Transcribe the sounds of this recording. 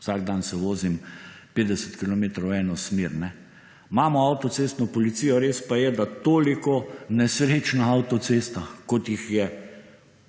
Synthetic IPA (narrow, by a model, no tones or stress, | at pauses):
saːɡd̪ansɛʋoːzimpeːd̪ɛsət̪kilɔmeːt̪ɾɔwɛːnɔsmeːɾnɛ | maːmɔawt̪ɔseːst̪nɔpɔlit̪siːjɔɾeːspajɛd̪at̪oːlikɔnɛsɾeːt͡ʃnaawt̪ɔseːst̪akɔt̪jixjɛ